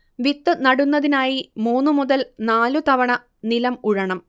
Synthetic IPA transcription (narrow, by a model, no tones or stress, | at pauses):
ʋit̪ːɨnɐɽunːɐðinaːjimuːnːɨmuðɐlnaːlut̪ɐʋɐɳɐ | nilɐmuɻɐɳɐm